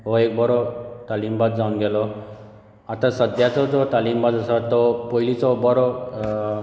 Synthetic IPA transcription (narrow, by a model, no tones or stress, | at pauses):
ɦoek̚bɔɾɔt̪alimbad̪d͡zanɡɛlɔ | at̪ʰasəd̪ʱjat͡sɔd͡zɔt̪alimbad̪əsat̪ɔpɔɦilit͡sɔbɔɾɔ